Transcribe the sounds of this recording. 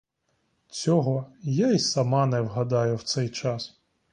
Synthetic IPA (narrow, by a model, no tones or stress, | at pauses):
t͡sʲɔɦɔjaisɐmɑnɛwɦɐd̪ɑjʊwt̪sɛjt͡ʃɑs